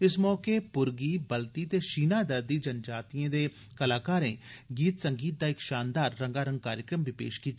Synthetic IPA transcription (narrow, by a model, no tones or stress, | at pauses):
ɪsmɔːkeːpʊɾɡiːbəlt̪iːt̪eːʃiːnaːd̪əɾd̪iːd͡ʒənd͡ʒaːt̪ijẽːd̪eː | kəlaːkaːɾẽːɡiːt̪səŋɡiːt̪̚d̪aːɪkʃaːnd̪aːɾːəŋɡaːɾəŋɡkaːɾjəkɾəmʋipḛːʃkiːt̪